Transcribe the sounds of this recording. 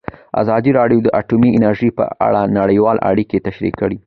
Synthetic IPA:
a̰zɑd̪iɾɑɖjod̪əʔaʈumiɪnaɾʒipə̰a̰ɽanaɽəjwɑlʔa̰ɽiket̪aʃɾḭkːəɽi

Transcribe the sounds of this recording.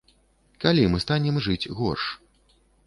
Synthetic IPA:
kalʲimɨst̪anʲɛmʐɨt͡sʲɣɔrʂ

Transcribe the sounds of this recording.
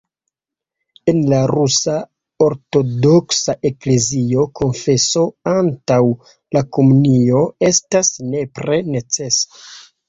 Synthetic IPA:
e̞nlaɾusa | o̞ɾto̞do̞ksaʔe̞kle̞zio̞kʰo̞nfe̞so̞antaw | lako̞munio̞e̞stasne̞pɾe̞ne̞t͡se̞sḁ

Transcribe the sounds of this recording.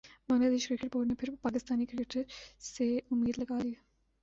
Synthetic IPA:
bɐŋlad̪eːʃkɾɪkeʈ̚boːɾnepʰɪɾpaːkɪst̪aːnikɾɪkeʈseʊmːiːd̪lɐɡaːlie

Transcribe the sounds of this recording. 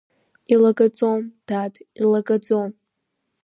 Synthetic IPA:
ilaɡʼad͡zomd̥atʰʼilaɡʼad͡zom

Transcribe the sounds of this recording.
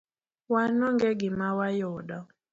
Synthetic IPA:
wanɔŋɡɛɡimawajɔɗa

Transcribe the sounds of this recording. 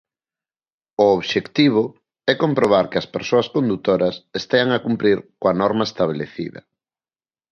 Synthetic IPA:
ʊoβʃekt̪iβ̞ʊ | ɛkompɾoβ̞aɾkɪɐspeɾsoɐskond̪ut̪oɾɐsest̪eaŋakumpɾiɾkoɐnɔɾmaest̪aβ̞eleθḭðɐ̰

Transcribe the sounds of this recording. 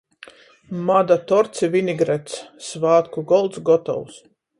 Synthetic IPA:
mad̪at̪ɔɾt̪sivʲinʲiɡɾɛt̪ssvaːt̪kuɡɔlˠt̪sɡɔt̪ɔ̰ws

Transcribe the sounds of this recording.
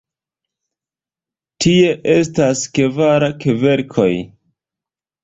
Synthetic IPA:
tʰie̞ʔe̞staske̞vaɾakeve̞ɾkʰo̞j

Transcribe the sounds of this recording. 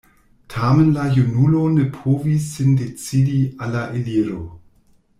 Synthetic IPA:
tʰamenlajunulonepʰovisːindet͡sidialaʔeliɾo

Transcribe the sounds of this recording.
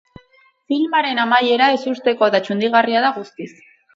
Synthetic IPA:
filmaɾe̞namaje̞ɾae̞sust̪e̞ko̞ðat͡ʃund̪iɣ̞ariaðaɣust̪is

